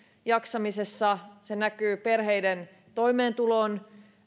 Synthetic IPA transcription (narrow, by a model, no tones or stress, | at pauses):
jɑksɑmise̞sːɑsenækyːperɦe̞jden | t̪o̞imeːnt̪uloːn